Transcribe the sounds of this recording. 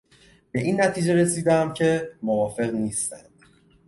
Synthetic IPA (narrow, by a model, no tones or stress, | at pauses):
b̥e̞ʔiːnːæt̪ʰiːd͡ʒe̞ɾe̞siːd̪æmcʰe̞movɒːfe̞ɣniːst̪ænd̪̥